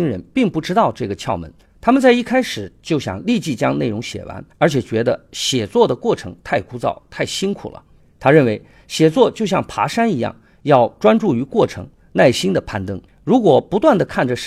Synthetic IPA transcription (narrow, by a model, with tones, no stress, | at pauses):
i˥ŋɻə˧˥npi˥˧ŋpu˥˩ʈ͡ʂɻ̩˥t̪ɑ˥˧ʊʈ͡ʂɤ˥˩ɡə˩t͡ɕʰjɑ˥˩ʊmə̰˧˥n | t̪ʰa˥mə˨nt͡sa˥˧ɪi˥˩kʰa˥ɪʂɻ̩˨˩˦t͡ɕjo˥˩ʊɕjɑ̰˨˩ŋli˥˧t͡ɕi˥˩t͡ɕjɑ˥ŋne˥˩ɪɻʊ˧˥ŋɕjɛ̰˨˩wa̰˧˥nə˞˧˥t͡ɕʰjɛ˨˩t͡ɕɥɛ˧˥d̪ə˧ɕjɛ˨˩t͡swɔ˥˩d̪ə˩kwɔ˥˩ʈ͡ʂʰɤ˧˥ŋt̪ʰa˥˩ɪkʰu˥t͡sɑ̰˥˩ʊt̪ʰa˥˩ɪɕi˥nkʰu˨˩lʔə̰˦ | t̪ʰa˥ɻə˥˩nwe˧˥ɪ | ɕjɛ˨˩t͡swɔ˥˧t͡ɕjo˥˧ʊɕjɑ˥˩ŋpʰa̰˧˥ʂa˥ni˧˥jɑ̰˥˩ŋ | jɑ˥˩ʊʈ͡ʂwa˥nʈ͡ʂu˥˩y˧˥kwɔ˥˩ʈ͡ʂʰɤ̰˧˥ŋ | na˥˩ɪɕi˥nd̪ə˨pʰa˥˩nt̪ɤ˥ŋ | ɻu˧˥kwɔ˨˩pu˧˥t̪wa˥˩nd̪ə˩kʰa˥˩nʈ͡ʂə˩ʂ